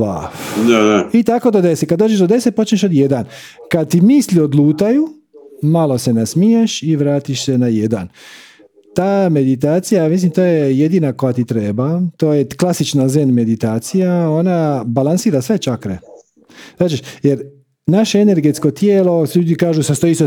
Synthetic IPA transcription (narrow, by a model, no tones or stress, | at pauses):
a̰fnɛɛit̪ako̞d̪od̪e̞sekad̪d̪od͡ʒeʒd̪od̪e̞sepo̞t͡ʃneʃod̪je̞d̪ankad̪̚t̪imisliod̪lˠuːt̪aju | malo̞se̞nasmijeʃiʋɾaːt̪iʃse̞najed̪a̰n | t̪aːme̞d̪it̪̬aːt̪sijamislimt̪oːjeje̞d̪iːnako̞jat̪it̪ɾe̞ːbat̪oːjeklˠasit͡ʃnazenme̞d̪it̪aːt̪sijao̞nabalansiːɾasʋe̞t͡ʃakɾḛ̥ | aːt͡ʃeʃjeɾ | naʃeene̞ɾɡe̞t̪sko̞t̪jeːlo̞sʎuːd̪ikaːʒusast̪oiso